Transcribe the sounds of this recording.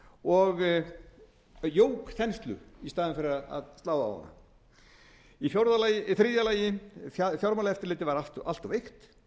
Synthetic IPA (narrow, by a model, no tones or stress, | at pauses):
ɔɣ | joːwkθɛnst̪lʏ̰ist̪aːðɪnfɪɾɪɾaða̰ðst̪laːwðaɔ̰na̰ | ifjawɾðalaθɾiðjalaːjɪafjawɾmalaɛft̪ɪɾlɪːt̪ɪvaɾat̪a̰l̥t̪ɔvejxt̪